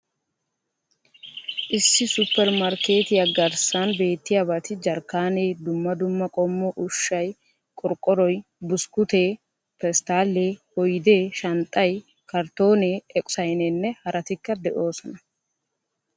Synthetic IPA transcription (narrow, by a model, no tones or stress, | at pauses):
ʔɪsːɪsʊpːɛɾmɐɾkeːt̪ɪjɐɡɐɾsɐnbe̞ːt̪ːɪjabɐt̪ɪd͡ʒɐɾkːaːneːd̪ʊmːɐd̪ʊmːɐkʼɔmːɔʔʊʃːɐj | kʼɔɾkʼːɔɾɔjbʊskʊt̪eː | pɛst̪aːlːeːhɔjd̪eːʃɐnt̪ʼːɐj | kɐɾt̪o̞ːneːɛkʼʊ̥sɐjneːnːɛhɐɾʔɐt̪ɪkːɐd̪ɛʔo̞ːsɔnɐ